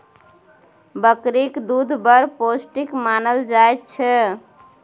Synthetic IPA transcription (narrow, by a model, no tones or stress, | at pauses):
bəkɾikd̪ud̪ʱbəɾposʈikmanəld͡ʒaet̪̚t͡ʃʰɛ